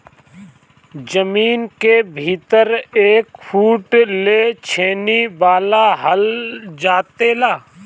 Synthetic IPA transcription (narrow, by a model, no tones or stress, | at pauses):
d͡ʒəmiːnkebʱiːt̪əɾeːkfʰuːʈlet͡ʃʰeːnibaːlaɦəld͡ʒaːt̪elaː